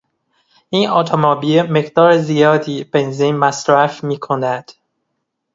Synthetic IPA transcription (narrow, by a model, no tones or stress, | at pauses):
ʔiːnɒːt̪ʰomɒbiemeɢd̪ɒːɾezijɒːd̪iːb̥e̞nziːnmæsɾæfmiːkʰonæd̪̥